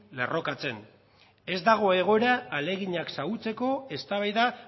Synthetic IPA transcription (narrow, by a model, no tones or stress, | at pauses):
le̞ro̞kat͡se̞n | e̞zd̪aɣ̞o̞e̞ɣ̞o̞eɾaːle̞ɣiɲaksaɣut͡se̞ko̞e̞st̪aβajða